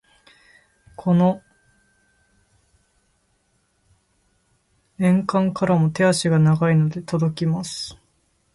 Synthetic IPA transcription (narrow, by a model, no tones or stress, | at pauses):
kʰo̞no̞ | ẽ̞ŋkãŋkaɾamo̞t̪e̞aɕiɡanaɡaino̞d̪e̞t̪o̞d̪o̞kʲimasɨ̥